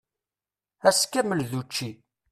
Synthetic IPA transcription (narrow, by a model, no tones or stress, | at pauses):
æskːæməlðut͡ʃːi